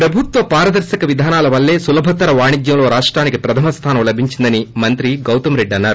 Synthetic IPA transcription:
pɾɐbʱut̪ʋɐpaːɾɐd̪ɐɾsɐkɐʋid̪ʱaːnaːlɐʋɐlːe̞ːsulɐbʱɐt̪ɐɾɐʋaːɳiɡ̪jɐmloːɾaːʂʈɾaːnikipɾɐt̪ʰɐmɐst̪ʰaːnɐmlɐbʱiɲt͡ʃind̪ɐnimɐnt̪ɾiɡɐwt̪ɐmɾe̞ɖːɐnːaːɾu

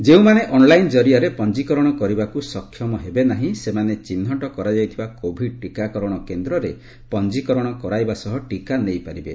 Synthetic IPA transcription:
d͡ʒeũmaneʔɔnlajnd͡ʒɔɾiaɾepɔnd͡ʒikɔɾɔɽ̃ɔkɔɾibakusɔkʰːjɔmɔɦebenaɦĩsemanet͡ʃinːɔʈɔkɔɾad͡ʒajt̪ʰibakobʱiʈikakɔɾɔɽ̃ɔkend̪ɾɔɾe | pɔnd͡ʒikɔɾɔɽ̃ɔkɔɾajbasɔɦɔʈikanejpaɾibḛ

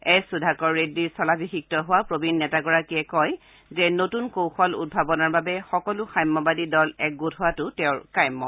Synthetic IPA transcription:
ɛjsudʱakɔɹːediɹsɔlabʱixik̚tɔɦʊwapɹobʱinːɛtakɔɹakiɛkɔj | zɛnotunkowxɔlṵd̚bʱabɔnaɹbabɛxɔkɔlʊxajmːɔbadidɔlɛk̚ɡutʰɦʊwatʊtɛʊɹkajmːɔ̰

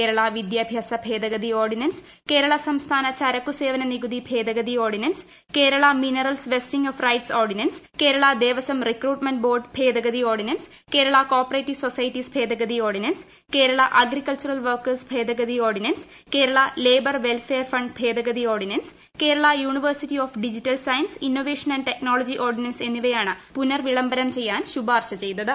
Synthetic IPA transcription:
eːɾɐɭɐʋid̪jaːbʱjaːsɐbʱe̞ːd̪ɐɡɐd̪io̞ːrɖinɐns | ke̞ːɾɐɭɐsɐmst̪ʰaːnɐt͡ɕɐɾɐkːuse̞ːʋɐnɐniɡud̪ibʱe̞ːd̪ɐɡɐd̪ioːrɖinɐns | ke̞ːɾɐɭɐminɐrɐlsʋestiŋoːfrɐjʈsoːrɖinɐns | keːɾɐɭɐd̪eːʋɐsɐmrikruːʈmɐnɖbo̞ːrɖpʰeːd̪ɐɡɐðioːrɖinɐns | ke̞ːɾɐɭɐko̞ːpːɐreːtːisosɐjtːisbʱe̞ːd̪ɐɡɐd̪ioːrɖnɐns | ke̞ːɾɐɭɐʔɐɡrikːɐɭt͡ɕurɐlʋɐrkɐrsbʱeːd̪ɐɡɐðio̞ːrɖinɐns | ke̞ːɾɐɭɐleːbɐrʋe̞lfeːɐrfɐɳɖpʰe̞ːd̪ɐɡɐd̪io̞ːrɖinɐns | ke̞ːɾɐɭɐjuːɳiʋɐrsitːioːfɖid͡ʑitːɐlsɐjɐnsinːoːʋeːʂɐnɐnɖʈekno̞ːlod͡ʑiʔo̞ːrɖinɐnse̞nːiʋɐjaːɳɨpunɐrʋiɭɐmbɐɾɐmt͡ɕe̞jːaːnɕubaːrɕɐt͡ɕe̞jnːɐðɨ

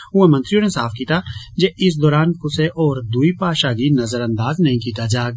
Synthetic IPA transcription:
uẽmɐ̃nt̪ɾijõːnesaːfkiːt̪ad͡ʒeɪs̬d̪ɔːɾaːnkʊseʔɔːɾd̪uipaːʃaːɡinɐzəɾɐ̃nd̪aːznɐɦĩkiːt̪ad͡ʒaːɡ̚

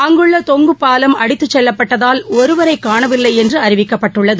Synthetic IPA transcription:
ɐŋɡɯɭːɐt̪ɔŋɡɯpːaːlɐmɐɽɪt̪ːɯt͡ʃːɛlːɐpːɐʈːɐðaːlɔɾɯʋɐɾɐɪkːaːɳɐʋɪlːɐɪɛndrɯɐɾɪʋɪkːɐpːɐʈːɯɭːɐðɯ

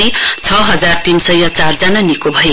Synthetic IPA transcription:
it͡sʰʌɦʌd͡zart̪insʌjʌt͡sard͡zʌnanikobʱʌje

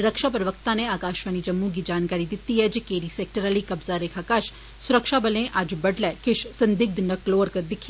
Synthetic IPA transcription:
ɾəkʃaːpɾəʋək̚t̪ãːneaːkaːʃʋaːniːd͡ʒəmːũɡid͡ʒaːnkaːɾid̪ɪt̪ːiɦɛːd͡ʒeːkeːɾiːsɛːk̚ʈəɾəliːkɐbzaɾeːkʰaːkaʃ | sʊɾəkʃaːbəlẽʔɐd͡ʒbəɖlɛːkɪʃsə̃nd̪ɪɡ̚d̪nəkloːəɾkəɾd̪ɪkʰː

